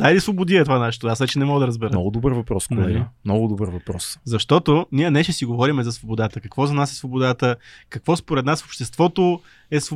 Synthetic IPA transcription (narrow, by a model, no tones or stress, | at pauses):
d̪ailisvobʊd̪iɛt̪ovanaʃɛ̥t̪oasvɛt͡ʃɛnɛmɔɡəd̪ɐɾəzbɛɾənɔ̰ɡʊd̪obəɾvɐpɾɔsklɛɡimnɔɡʊd̪obəɾvɐpɾɔ̰szɐʃt̪ɔt̪oniənɛʃɛsiɡovɔɾimɛzɐsvobod̪at̪əkɐkvɔzɐnasɛsvobod̪at̪əkɐkvɔspoɾɛt̪nasfopʃt̪ɛst̪vɔt̪o | ɛs